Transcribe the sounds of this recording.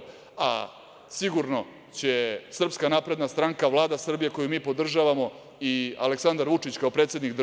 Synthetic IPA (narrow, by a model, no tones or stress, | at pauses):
a | siɡuɾno̞ | t͡ɕe̞sr̩pskanaːpɾe̞d̪nast̪ɾaŋkaʋlˠaːd̪asr̩bijeko̞jumiːpo̞d̪r̩ʒaʋamo̞ | ia̰leksand̪aɾʋut͡ʂit͡ɕkaopɾet̪sjed̪nikd̪